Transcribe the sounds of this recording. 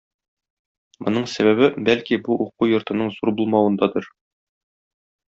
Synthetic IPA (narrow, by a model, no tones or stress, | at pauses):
mŏnɤɴsæβæβɘbælkibuʔuqujŏɾt̪ɤ̆nɤɴzuɾbulˠmɑwɤ̆nd̪ɑd̪ɤɾ